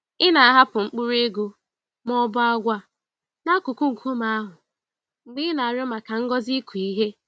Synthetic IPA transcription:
ɪ˦na˨a˦ɦa˦pʊ˨ŋ͡m̩˦k͡pu˦ɾe˦ɡu˦ | mɔ˦bʊ˦a˦ɡʷa˦ | na˦kʊ˨ku˦ŋ̩˨kʷʰu˦ma˨a˦ɦʊ˨ | ŋ͡m̩˨ɡ͡bi˦na˨a˨ɾjɔ˦ma˨ka˨ŋ̩˦ɡɔ˦zi˦ku˨i˦ɦe˦

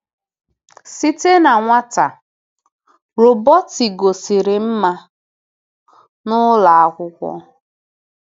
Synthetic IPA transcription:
si˦te˦na˨ŋʷa˦ta̰˨ | ɾo˨bɔ˦ti˨ɡo˨si˨ɾɪ˨m̩˦ma˦ | nʊ˦la˨a˦kʷʊ˦kʷɔ̰˦

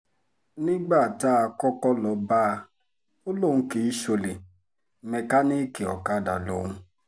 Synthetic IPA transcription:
nĩ˦ɡ͡ba˦˨ta˦a˧kɔ˦kɔ˦lɔ˨ba˦˧ | o˦lo˦˨ñ̩˧˦ke˨˦i˦ʃo˧le˨ | mɛ˨ka˦ni˦ki˨ɔ̰˨ka˦˨da̰˨lo̰˨˦ŋũ˦

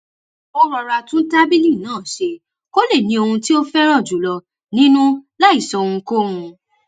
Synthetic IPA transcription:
ɔ˦ɾɔ˧ɾa˧tũ˦n̩˦ta˦bi˦lĩ˦˨nãː˦˨ʃe˧ | ko˦le˦˨nĩ˧o˧hũ˧ti˦o˦fɛ˦ɾ̃ã˦˨d͡ʒu˨˦lɔ˧ | nĩ˦nũ˦la˦i˦˨sɔ˨ũ˧ko˦ũ˧

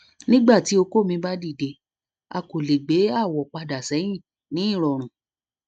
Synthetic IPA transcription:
nĩ˦ɡ͡ba˦˨ti˨˦o˧ko˦˨mĩ˧˦ba˦di˦˨de˧ | a̰˧ko˨le˨ɡ͡be˨˦a˦˨wɔ˨k͡pa˧da˨sɛ̃˨˦ĩ˦˨ | nĩ˨˦i˦˨ɾɔ˨ɾ̃ũ˨

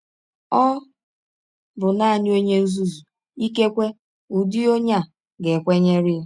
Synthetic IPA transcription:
ɔ˦ | bʊ˨na˦˨ɲɪ˦o˦ɲe˦u˦zu˦zu˨ | i˦ke˦kʷe˦ | u˨dɪ˦o˦ɲa˦ | ɡe˨kʷe˦ɲe˦ɾɪ˦

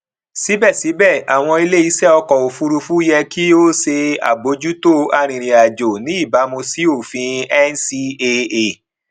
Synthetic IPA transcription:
si˨˦bɛ˦˨si˨˦bɛ˦˨a˨w̃ɔ̃˧i˧le˦i˨˦sɛ˦ɔ˧kɔ˨o˨fu˧ɾu˧fu˦jɛ˧ki˦o˦se˧a̰˨bo˨˧˦d͡ʒu˦to˦a˧ɾ̃ĩ˨ɾ̃ĩ˨a˨d͡ʒo˨nĩ˨˦i˦˨ba˨˦mõ˧si˨˦o˦˨fĩ˧ɛ˦n˦si˧e˧e˨

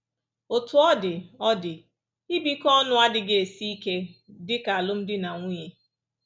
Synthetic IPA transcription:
o˨tʊ˨ɔ˦dɪ˨ɔ˦dɪ˨ | i˦bi˦kɔ˦nʊ˦a˦dɪ˨ɡe˨e˨si˦i˦ke˦dɪ˦ka˨a˨lʊ˦m̩˦dɪ˦na˨ŋʷu˦ɲe˦

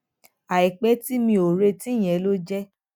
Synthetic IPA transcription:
a˨i˨k͡pɛ˨˦ti˦mĩ˧o˨ɾe˧ti˦˨j̃ɛ̃˨˦lo˦d͡ʒɛ˦

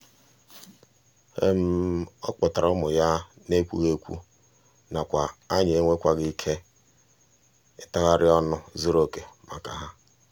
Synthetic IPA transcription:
ḛ˦m̩˦ɔ̰˦k͡pɔ˨ta˨ɾʊ˦mʊ˨ja˦ | ne˦kʷu˦ɣe˦kʷṵ˦ | na˨kʷa˨a˦ɲ˨e˦ŋʷe˦kʷa˨ɡɪ˦i˦kʰe˦ | ɪ˦ta˦ɣa˦ɾɪ˦ɔ˦nʊ˦zu˦ɾo˦˨ke˨ma˨ka˨ɦa˦

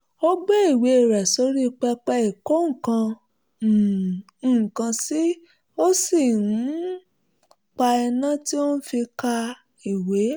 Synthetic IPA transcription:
o˦ɡ͡be˦i˦˨we˨˧e˨ɾɛ˨so˨˦ɾi˦˧k͡pɛ˧k͡pɛ˧i˨ko˦ŋ̩˦˨kã˧˨ | kã˧si˦ | o˦si˦˨nũ˨˦ | k͡pa˧ɛ˧nã˦ti˦o˦nu˦fi˧ka˧ | i˨we˨˦

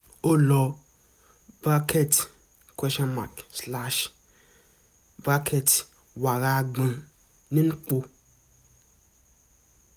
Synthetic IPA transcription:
o˦lɔ˨ | ba˦kʰe˦t | kwɛ˦ʃɔ˦nma̰˨ksla˦ʃ | ba˦kʰe˦t | wa˨ɾa˦˨ɡ͡bã˨ | nĩ˦n̩˦k͡po˦

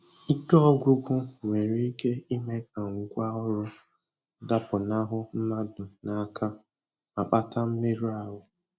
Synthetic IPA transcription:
i˦ke˦ɔ˦ɡʷʊ˦ɡʷʊ˦ŋʷe˨ɾi˦i˦ke˦i˦me˦ka˨ŋ̩˨ɡʷa˦ɔ˦ɾʊ˦ | da˦pʊ˨na˦ɦʊ˦n̩˦ma˦dʊ˨na˨˦kʰa˦ | a˨k͡pa˦ta˦m̩˦me˦ɾu˦a˦ɦʊ˦

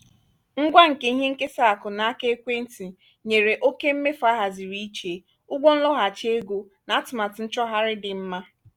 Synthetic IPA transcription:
ŋ̩˦ɡʷa˦ŋ̩˨ke˦i˦ɦe˦ŋ̩˦ke˦sa˦˨a˨kʊ˨na˨a˦ke˦e˦kʷe˦n̩˦ti˨ | ɲe˨ɾe˨ʔo˦ke˦m̩˦me˦fa˦ɦa˨zi˨ɾi˦i˦t͡ʃe˨ | ʊ˦ɡʷo˦n̩˦lɔ˦ɦa˨t͡ʃe˦ɡo˦ | na˨a˦tʊ˨ma˨tʊ˨n̩˦t͡ʃɔ˦ɦa˦ɾɪ˦dɪ˨m̩˦ma˦

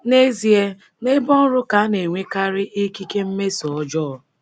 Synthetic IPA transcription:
ne˦zi˨e˦ | ne˦bɔ˦n̩˦ɾʊ˦ka˨˦ne˨ŋʷe˦ka˦ɾɪ˦ʔi˦ki˦ke˦m̩˦me˦sɔ˨ɔ˦d͡ʒɔ˦˨

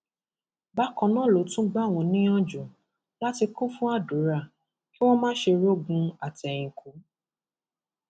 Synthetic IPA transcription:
ba˨˦kɔ̃˧˦nã˨˦˨lo˨˦tũ˦ɡ͡ba˦˨w̃ɔ̃˧nĩ˦ɔ̃˦d͡ʒu˨ | la˦ti˧kũ˦fũ˦a˦˨du˨˦ɾa˦˨ | ki˦w̃ɔ̃˦mãː˦ʃe˧ɾo˦˨ɡũ˧a˨tɛ˨j̃ĩ˨kʰu˨˦

